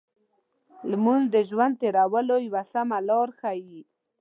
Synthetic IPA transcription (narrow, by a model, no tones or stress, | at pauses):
lmund̪əʒwand̪̚t̪eɾawəlojwasamalɑɾxaji